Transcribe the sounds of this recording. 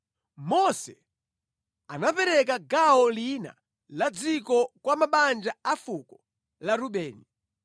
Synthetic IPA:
mɔsɛ | anapɛɾɛkaɡaɦɔlina̰ | lad͡zikɔkwamaɓand͡ʒaafukɔ | laɾuɓɛːni

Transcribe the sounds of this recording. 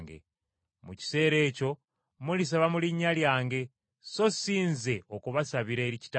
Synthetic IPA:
ŋɡḛ | muci̥se̞ːɾe̞ːco̞ | mulis̬aβamuliɲːaljaːŋɡe̞ | so̞siːnze̞o̞kuβasaβiɾe̞ːɾici̥ta

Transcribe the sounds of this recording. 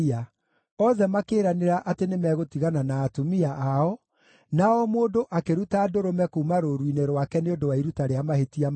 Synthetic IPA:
a | ɔðɛmakeːɾaneɾaʔatenemɛːɣotiɣananaːtomiaʔaɔ | naɔmoːndoʔakeɾutaːdoɾomɛkoumaɾoɾwineɾwakɛneondowaiɾutaɾeamahetiam

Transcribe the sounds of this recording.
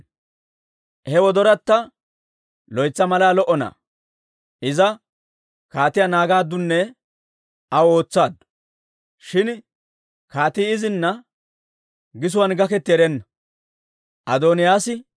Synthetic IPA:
hɛwɔd̪ɔɾɐt̪ːɐ | lɔjt͡sːɐmɐlaːlɔʔɔnɐ̰ | ʔɪzɐ | kaːt̪ɪjanaːɡaːd̪ːʊnːɛ | ɐwo̞ːt͡sːaːd̪ | ʃɪn | kaːt̪iːɪzɪnːɐ | ɡɪs̬ʊwɐnɡɐkɛt̪ːɪɛɾɛnːɐ | ʔɐd̪oːnɪjaːsɪ

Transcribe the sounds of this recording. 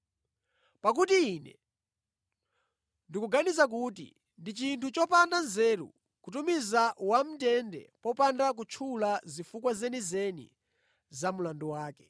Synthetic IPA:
pak̬utiːnɛ̰ | ndikuɡanizak̬utḭ | ndit͡ʃintʰut͡ʃɔpandanzɛːɾṵ | kutumizawam̩tɛndɛ̰pɔpandak̬ut͡ʃʰulazifukwazɛnizɛnḭ | zamulanduwaːkɛ̥

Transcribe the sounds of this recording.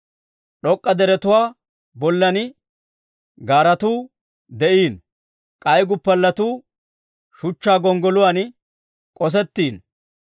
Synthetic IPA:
ɗɔkʼːɐd̪ɛɾɛt̪ʊwaː | bɔlːɐnɪ | ɡaːɾɐt̪uː | d̪ɛʔiːn | kʼɐjɡʊpːɐlːɐt̪uː | ʃʊt͡ʃːaːɡɔŋɡɔlʊwaːn | kʼɔs̬ɛt̪ːiːn

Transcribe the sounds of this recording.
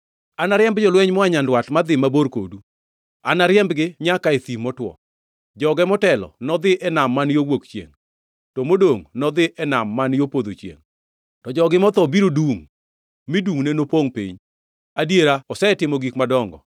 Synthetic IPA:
anaɾjɛmbd͡ʒɔlwɛɲmɔaɲandwatmad̪ɪmaboɾko̰du | anaɾjɛmbɡɪɲakaet̪imɔtwɔ̰ | d͡ʒɔɡɛmɔtɛlɔ̰nɔd̪ɪʔɛnamːanjowokt͡ʃjḛŋ | tɔmodoŋnɔd̪ɪʔɛnamːanjopod̪ot͡ʃjḛŋ | tɔd͡ʒɔɡɪmɔt̪ɔbiɾoduŋ | mɪduŋnenopoŋpḭɲ | adjeɾaɔsɛtɪmɔɡikmadɔŋɡɔ̰

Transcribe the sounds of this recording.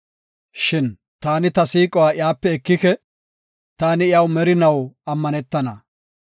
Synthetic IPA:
ʃɪn | t̪aːnɪt̪ɐsiːkʼɔwaːɪjaːpːɛɛkːɪkɛ | t̪aːnɪɪjɐwmɛɾɪnɐwɐmːɐnɛt̪ːɐnɐ

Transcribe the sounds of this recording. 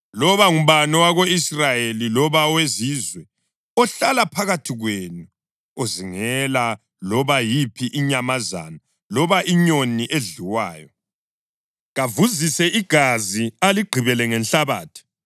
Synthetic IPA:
lɔβaum̩βanɔwaɣoisrajelilɔβawezizwɛ | ɔɬalapʰaɣatʰiɣweːnu | oziŋɛla | lɔβajipʰiʔiɲamaza̰na | lɔβaʔiɲoniʔeɮiwa̰ːjɔ | ɣavuzisɛʔiɡ̥ʱazialiɡ͡ǃʱiβɛlɛŋɛnɬaβa̰ːtʰi̥

